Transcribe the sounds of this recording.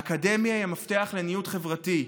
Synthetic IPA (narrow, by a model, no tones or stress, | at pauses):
kademjaiamafte̞aχle̞nijutχevʁati